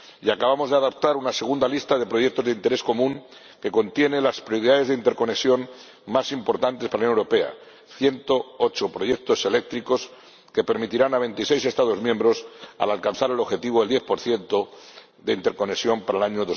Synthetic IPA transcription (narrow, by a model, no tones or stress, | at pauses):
iakaβamo̞zðeaðap̚t̪aɾunase̞ɣ̞und̪alist̪aðe̞pɾo̞ʝe̞k̚t̪o̞zðeint̪e̞ɾe̞sko̞mũŋ | ke̞ko̞nt̪je̞nelaspɾjoɾiðaðe̞zðeint̪e̞ɾko̞ne̞ksjo̞n | masimpo̞ɾt̪ant̪espaɾaunjoewɾope̞a̰ | θje̞nt̪oot͡ʃopɾo̞ʝe̞k̚t̪o̞se̞le̞k̚t̪ɾiko̞s | ke̞pe̞ɾmit̪iɾanaβ̞e̞nt̪ise̞jse̞st̪að̞o̞zmjembɾo̞sa̰lalkan̟θaɾe̞lo̞βxe̞t̪iβoeld̪je̞θpo̞ɾθje̞nt̪o̞ | ðe̞int̪e̞ɾko̞ne̞sjo̞mpaɾalaɲoðo